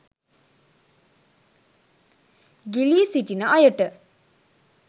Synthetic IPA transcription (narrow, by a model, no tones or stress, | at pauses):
ɡilisiʈinəʔajəʈə